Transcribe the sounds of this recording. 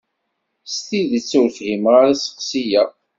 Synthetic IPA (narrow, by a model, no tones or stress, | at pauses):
st̪iðət͡sːuɾθhimʁaɾasə̥qsijæ